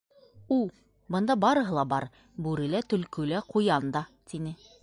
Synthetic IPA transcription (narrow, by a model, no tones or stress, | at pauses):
ulˠ | bɤ̆nd̪ɑbɑɾɤ̆ɦɤ̆lˠɑbɑɾ | bʉɾɘ̆læt̪ɵ̆lkɵ̆læqujɑnd̪ɑt̪inɘ